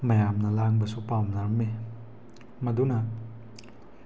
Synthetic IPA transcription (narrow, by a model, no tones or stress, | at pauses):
mɐjamnɐlaŋbɐsupawmnaɾɐme | mɐdunɐ